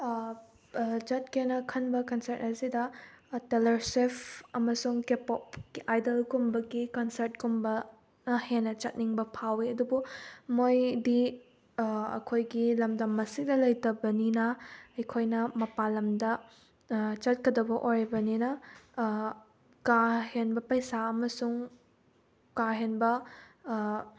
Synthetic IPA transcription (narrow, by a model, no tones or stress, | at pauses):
t͡ʃɐt̚kenɐkʰɐnbɐkɐnsɐɾt̚hɐsidɐtelɐɾsepʰɐmɐsuŋkepop̚ajdɐlkumbɐɡikɐnsɐɾt̚kumbɐ | nɐhenɐt͡ʃɐt̚niŋbɐpʰawiɐdubumojdi | ɐ̰kʰojɡilɐmdɐmːɐsik̚dɐlɐjtɐbɐninɐɐjkʰojnɐmɐpalɐmdɐ | t͡ʃɐt̚kɐdɐbɐʔojɾibɐninɐ | kahenbɐpɐjsaɐmɐsuŋ | kaɦenbɐ